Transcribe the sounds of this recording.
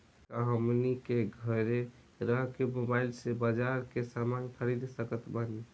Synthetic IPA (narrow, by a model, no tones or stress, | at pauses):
t̪aɦəmnikeɡʱəɾe | ɾəɦkemobailsebad͡ʒaɾkesamankʰəɾid̪səkət̪bəni